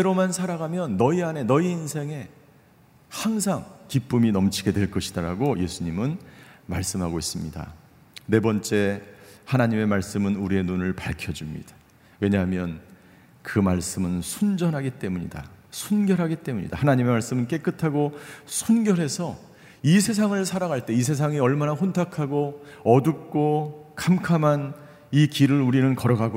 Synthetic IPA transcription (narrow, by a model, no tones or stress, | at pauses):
eɾomansʰaɾaɡamjʌnːʌiane̞nʌiinsʰe̞ŋe̞ | haŋs̬ʰaŋkip͈uminʌmt͡ɕʰiɡe̞dwe̞ɭk͈ʌɕʰidaɾaɡoje̞sʰuɲimɯnmaɭs͈ɯmɦaɡois͈ɯmɲida̰ | ne̞bʌnt͡ɕ͈e̞hanaɲime̞maɭs͈ɯmɯnuɾie̞nunɯɭpaɭkʰjʌd͡ʑimɲḭd̥ḁ | we̞ɲaɦamjʌn | kɯmaɭs͈ɯmɯnsʰund͡ʑʌnɦaɡit͈e̞muɲḭda̰sʰunɡjʌɾɦaɡit͈e̞muɲḭda̰hanaɲime̞maɭs͈ɯmɯnk͈e̞k͈ɯtʰaɡosʰunɡjʌɾɦe̞sʰʌ | isʰe̞s̬ʰaŋɯɭsʰaɾaɣaɭt͈e̞is̬ʰe̞s̬ʰaŋiʌɭmanaɸontʰakʰaɡoʌdup̚k͈okamkʰaman | ikiɾɯɾuɾinɯnkʌɾʌɡaɡo